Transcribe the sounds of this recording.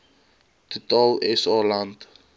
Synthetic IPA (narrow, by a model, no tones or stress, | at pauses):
t̪ut̪ɔlɛsɔlãnd